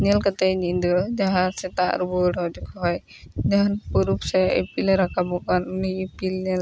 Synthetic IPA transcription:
nɛlkat̪ɛjnid̪ɔd͡ʒaɦãsɛt̪a̰ʔɾubɔɽɔwd͡ʒukʰɔɦɔj | d͡ʒaɦanpuɾupsɛḛpilɾakʰabɔkannipilnɛl

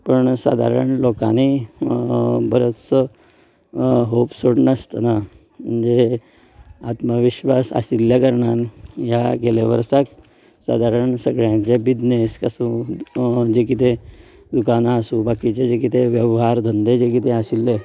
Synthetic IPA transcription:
pəɳsa̰d̪ʱa̰ɾə̰ɳlokani | bəɾot̪sə | ɦopsoɽɳəst̪əna | mənd͡ze | at̪məʋiɕʋasa̰siljakəɾɳanja̰ɡeleʋə̰ɾsak | sa̰d̪ʱaɾəɳsəɡɭjãɲt͡ɕebid̪neskəsũ | d͡ʑek̬it̪e | d̪ukanaːsũbakit͡ɕed͡ʑekit̪eʋjəʋɦaɾd̪ʱənd̪ed͡ʑekit̪eəsilːe

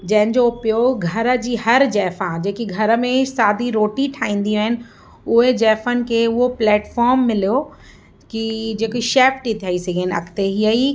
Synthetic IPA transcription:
d͡ʑɐ̃ɦɪ̃nd͡ʑopijoɡʱɐɾə̆d͡ʑiːhɐɾd͡ʑɛːfãd͡ʑeːkiɡʱɐɾə̆mẽsaːd̪ʱiɾoːʈiʈʰaːĩːn̆d̪ijːɦɪnɪ̆ | ʊɦed͡ʑɛːfənɪ̆kʰeːʊɦoplɛːʈfɔːɾmːɪlijo | kid͡ʑeːkoʃeːfʈit̪ʰijaːisɐɡʱenɪɐ̰kʰt̪eɦiəi

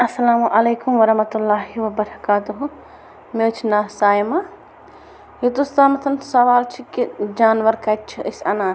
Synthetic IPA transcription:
ɐsːɐlaːmuʔɐleːkʊmʋɐɾɐmɐt̪ulːaːɦiʋɐbɐɾɐkaːt̪uɦu | met͡ʃʰnaːsaːjma | jit̪ust̪aːmɐt̪ʰɐnsɐʋaːlt͡ʃʰikid͡ʒaːnʋɐɾkɐt͡ʃʰiʔisɐnaː

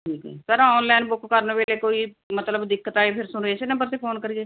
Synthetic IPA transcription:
ʈʰiːkɛ̰pəɾɔːnlɛːnbʊkʰkəɾnʋeːleːkoːiː | mət̪ləbd̪ɪkːət̪aːeːpʰɪɾsʊnɾeeːsenãpəɾseːpʰoːnkəɾieː

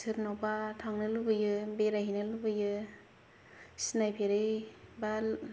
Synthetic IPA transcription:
sɯɾnɔbatʰaŋnɯlubɯjɯbeɾaɦinɯlɯbɯjɯ | sinajpʰeɾɯjba

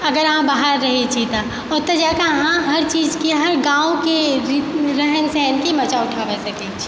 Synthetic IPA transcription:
ɐɡəɾɐɦãbaːɦəɾːɐɦet͡ʃʰit̪a | ɔːɾt̪ɐd͡ʒakaɦãɦɐɾt͡ʃiːzkeɦɐɾɡãːõkeɾiɾɛɦənsɛ̃ːnkemɐt͡ʃaʊʈʰaːʋesɐket͡ʃʰi̥

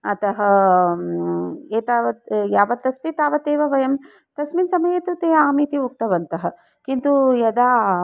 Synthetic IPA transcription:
ɐt̪ɐɦɐ | eːt̪aːʋɐjaːʋɐt̪ɐst̪it̪aːʋɐt̪eːʋɐʋɐjɐm | t̪ɐsminsɐmɐjeːt̪ut̪eːaːmiːt̪iuk̚t̪ɐʋɐnt̪ɐɦɐ | kint̪ujɐd̪aː

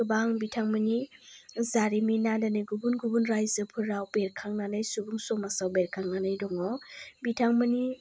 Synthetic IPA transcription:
ɯbaŋbitʰaŋmɯnizaɾiminadanɯjɡubunɡubunɾajzɯpʰɯɾawpeɾkʰaŋnanajsubuŋsɔmasawbeɾkʰaŋnanajdɔŋɔbitʰaŋmɯni

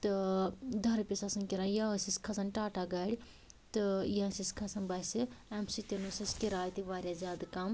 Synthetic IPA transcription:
t̪ɨd̪ʱɐɾpʲisɐsɐnkiɾãːjãsiskʰɐsɐnʈaːʈaɡɐːɽʲi | t̪ɨjãsiskʰɐsɐnbɐsiɛmsit̪inusɐskʲiɾaːjt̪iʋaːɾjazʲjaːd̪kɐm

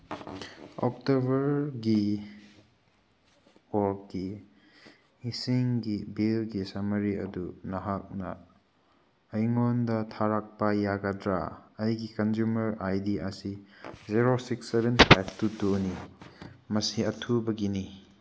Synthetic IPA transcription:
ɔ̰k̚tobɐɾɡi | wɔɾkɡi | isiŋɡibilɡisɐmɐɾiɐ̰dunɐɦak̚nɐ̰ | jŋondɐtʰaɾak̚pɐjaɡɐdɾa̰ɐjɡikɐnzumɐɾajdiʔɐsiziɾosiksːebʱenpʰajp̚ʰtutoni | mɐsiɐtʰubɐɡini

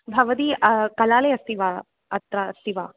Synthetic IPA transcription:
bʱɐʋɐd̪iːɐkɐlaːleɐst̪iʋa | ɐt̪ɾɐst̪iʋaː

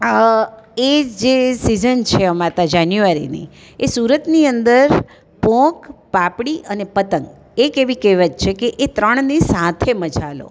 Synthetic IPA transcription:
ed͡ʒesizənt͡ʃʰeəmat̪ad͡ʒanjuʋaɾḭnḭ | esuɾət̪niənd̪əɾ | pɔ̃kpapɽiʔənepət̪əŋɡ | ekeʋikeʋəd͡ʒt͡ʃʰekeʔet̪ɾəɳ̃nisat̪ʰeməd͡ʒalo̰

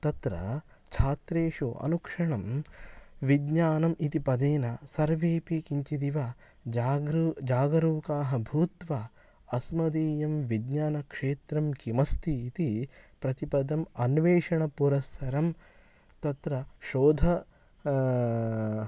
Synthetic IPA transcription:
t̪ɐt̪ɾɐ̰ | t͡ʃʰaːt̪ɾeːʂuʔɐ̰nukʂɐɳɐm | ʋid̪ɲaːnɐmʔit̪ipɐd̪eːnɐsɐɾʋeːpikiɲt͡ʃid̪iʋa | d͡ʒaːɡɾd͡ʒaːɡɐɾuːkaːɦɐbʱuːt̪ʋɐ | ɐsmɐd̪iːjɐmʋid̪ɲaːnɐkʂeːt̪ɾɐmkimɐst̪ʰiːt̪ipɾɐt̪ipɐd̪ɐmɐnʋeːʂɐɳɐpuɾɐstʰɐɾɐm | t̪ɐt̪ɾɐʃoːd̪ʱɐ

